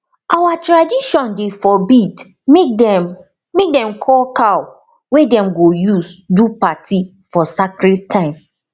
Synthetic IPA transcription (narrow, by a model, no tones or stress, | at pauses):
ʔawatɹadiʃɔ̃ndefɔbid | ɛ | mek̚dɛ̃mkʰɔlkaw | wedɛ̃mɡojusdupatʰi | fɔsakɾittʰːãɪ̃m